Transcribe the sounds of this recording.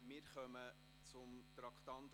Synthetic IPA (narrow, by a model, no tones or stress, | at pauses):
mɪːɾχœmə | t͡sʊmt̪ɾɑkχt̪ɑnt̪